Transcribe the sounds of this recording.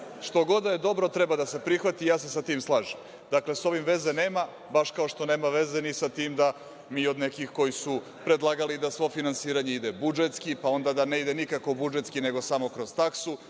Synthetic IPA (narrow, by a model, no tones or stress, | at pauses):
ʂt̪o̞ɡo̞d̪aed̪o̞bɾo̞t̪ɾe̞bad̪ase̞pɾixʋat̪ijaːse̞sat̪iːmslˠaːʒem | d̪akle̞so̞ʋimʋe̞zene̞ːma | baʃkao̞ʃt̪o̞ne̞ːmaʋe̞ze̞nisat̪iːmd̪a | miːo̞d̪ne̞kixko̞jisu | pɾed̪lˠaːɡalid̪asʋo̞finansiːɾaɲe̞id̪e̞bud͡ʒet̪skipao̞nd̪ad̪ane̞id̪enikakobud͡ʒe̞t̪skine̞ɡo̞samo̞kɾo̞z̥t̪aksu